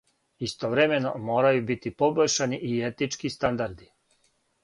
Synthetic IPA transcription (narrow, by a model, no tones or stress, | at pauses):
ist̪oʋɾeme̞no̞mo̞ːɾajubit̪ipo̞boʎʲʃaniʔiet̪nit͡ʃkist̪and̪aɾd̪i